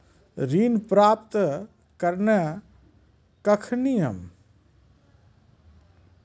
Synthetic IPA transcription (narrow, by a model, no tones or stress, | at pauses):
ɾinpɾaːpt̪ | kəɾnə | kəkʰnijəm